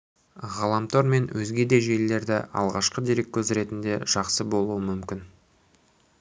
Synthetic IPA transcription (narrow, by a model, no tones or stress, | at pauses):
ʁɑlˠɑmt̪ʰoɾme̞nwʔɵzɡʲe̞d̪e̞ʒe̞lːe̞ɾd̪ɪ̰ʔɑ̰lˠʁɑʃqəd̪e̞ɾe̞kʲːʰɵzɾe̞t̪ɪnd̪e̞ʒ̥ɑqsəbo̞lˠuwəmʏmkʲɪn